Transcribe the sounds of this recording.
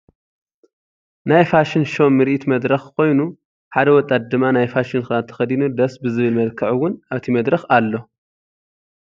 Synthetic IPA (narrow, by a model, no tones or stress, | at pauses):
najfaʃɪnʃo̞mːɨɾʔit̪mɐd̪ɾɐxkʰo̞jnu | ħad̪ɐwɔt̪ʼːat̪̚d̪ɨmːanajfaʃɪnxɨnat̪ʰɐ̥xɐd̪inud̪ɐsbɨzɨβɨlmɐlkʰɐʕuwʊnaβt̪ʰimɐd̪ɾɐxalːo̞